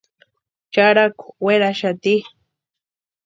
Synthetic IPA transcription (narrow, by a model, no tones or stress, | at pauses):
t͡ʃaɾakʊ̥weɾaʃat̪i